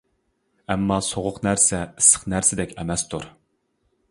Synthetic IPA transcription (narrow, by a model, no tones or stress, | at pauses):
ɛmːɑsoʁʊqnæɾsɛɨsə̥qnæɾsɪd̪ɛkʲɛmɛst̪ʰuɾ